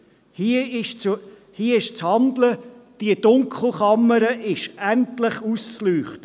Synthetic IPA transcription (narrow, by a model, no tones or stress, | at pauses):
hiəɪʃt͡s | hiəɪʃt͡shɑndləd̥iəd̥ʊŋkχl̩ˠχɑmːəɾəʔɪʃæntlɪχust͡slyːχtə